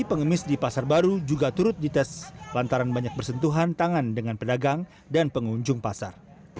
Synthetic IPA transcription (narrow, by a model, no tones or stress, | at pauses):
ipəŋəmɪsdipasarbaɾud͡ʒuɡat̪uɾʊt̪̚dit̪ɛslant̪aɾanbaɲak̚bərsənt̪uɦant̪aŋandəŋanpədaɡaŋ | danpəŋuɲd͡ʒʊŋpasar